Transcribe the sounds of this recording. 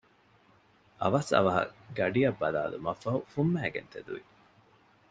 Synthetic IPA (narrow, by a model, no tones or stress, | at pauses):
ʔɐʋɐsɐ̰ʋɐɦɐ̰ɡɐɖiɐbːɐla̰ːlumɐfːɐɦufumːæːɡḛnt̪ed̪uʋi